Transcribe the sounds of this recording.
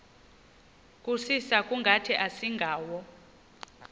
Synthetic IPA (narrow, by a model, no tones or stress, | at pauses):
kʼusisakʼuŋɡʱatʰiʔasiŋɡʱaːwɔ